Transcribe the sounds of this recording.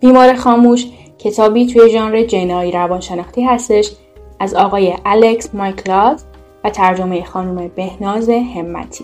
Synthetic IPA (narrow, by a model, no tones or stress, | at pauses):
b̥iːmɒːɾexɒːmuːʃ | cʰe̞t̪ʰɒːbiːt̪ʰuje̞ʒɒnɾed͡ʒenɒːiɾævɒːnʃe̞nɒːxt̪iːɦæst̪e̞ʃ | ʔæzɒːɣɒːje̞ʔæleksmɒjkʰlɒt̪ | væt̪ʰæɾd͡ʒo̞meje̞xɒːnuːme̞be̞hnɒːze̞he̞mːæ̰t̪ʰi̥ː